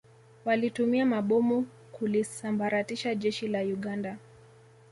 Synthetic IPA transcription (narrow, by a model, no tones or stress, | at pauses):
walitumiamaɓɔmu | kulisambaɾatiʃaʄɛʃilajuɠanda